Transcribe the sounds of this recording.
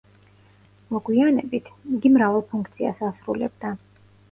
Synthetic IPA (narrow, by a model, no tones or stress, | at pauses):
mɔɡwianɛbit̪ʰiɡ̪imɾavalˠpʰuŋkʰt̪sʰia̰sasɾulɛ̰bd̪a